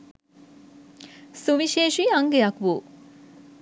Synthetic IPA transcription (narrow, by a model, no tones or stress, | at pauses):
suʋiʃeːʃiaŋɡejakʋuː